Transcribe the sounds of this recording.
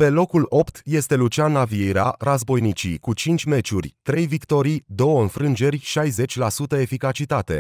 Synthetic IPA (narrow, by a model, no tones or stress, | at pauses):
pe̞lo̞kulo̞pt̪je̞st̪e̞lut͡ʃanavieɾea̰ɾazbo̞jnit͡ʃḭkut͡ʃint͡ʃʲme̞t͡ʃurʲt̪ɾe̞jvikt̪o̞ɾijd̪o̞wəɨnfɾɨnd͡ʒe̞rʲʃajze̞t͡ʃʲlasut̪əe̞fikat͡ʃit̪at̪e̞